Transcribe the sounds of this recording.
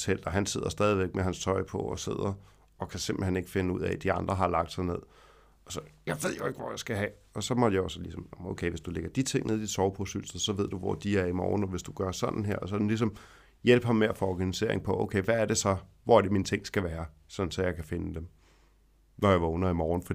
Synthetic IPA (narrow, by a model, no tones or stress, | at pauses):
sʰel̰d̥ɐɦænse̝ðˠɐsd̥ɛːð̞ˠiʋeɡ̥̚meɦænst͡sʰɒ̽ɪpʰɒ̽ɒse̝ð̞̰ˠɐ | ɒ̽kʰæse̝mb̥l̩hene̝ɡ̥fe̝nəuð̰ˠæ̰d̥iɑ̈nd̥ʁɐɦɑ̈lɑ̈ɡ̥̚d̥sɑ̈ɪne̝ð̰ˠ | ɒ̽sɒ̽jɑ̈ɪʋe̝ð̞̰ˠjo̝e̝ɡ̥ʋɒ̰jɑ̈ɪsɡ̥æɦɛ | ɒ̽sɒ̽mɒd̥jäɒsəlisɒ̽mmoʊkʰeɪʋe̝sd̥uleɡ̥ɐd̥it͡sʰe̝ŋ̰ne̝ð̞̰ˠisɒʊpʰɔsyl̰s̩ˠsɒ̽ʋe̝ð̞̰ˠd̥uʋɒ̰d̥iæɐimɒ̰ːn̩ɒ̽ʋe̝sd̥uɡ̥ɶɐsɒ̽nn̩ɦeɐ̰ɒs̬ɒ̥̽n̩lis̬ɒ̽m | jel̰b̥hɑmːeæfɒɒɡ̥ænise̝̰ɐ̰e̝ŋpʰɒ̽ʔoʊkʰeɪʋæːɐde̝sɒ̽ʋɒæɐd̥emint͡sʰe̝ŋ̰sɡ̥æʋæːɐsɒ̽nn̩sɒ̽jɑ̈ɪkʰæfe̝nəd̥em | nɒjɑ̈ɪʋɑɔnɐimɒːn̩fɒd̥i